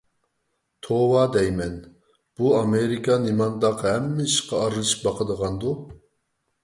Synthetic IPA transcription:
t̪ʰowɑd̪ɛjmɛn | b̥uɑmeɾikʰɑnimɑnd̪ɑqɦɛmːɪiʃqʰɑːɾlˠɨʃi̥bɑqəd̪əʁɑnd̪u

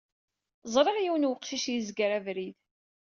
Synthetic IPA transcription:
zˤɾˤeʁjiwənwəqːʃiʃjizɡɾævɾið

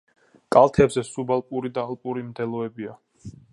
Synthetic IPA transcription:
kʼalˠt̪ʰɛbzɛsubalˠpʼuɾid̪aːlˠpʼuɾimd̪ɛlˠɔɛbia

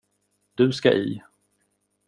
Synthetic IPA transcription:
d̪̥ɵska̰ʔḭː

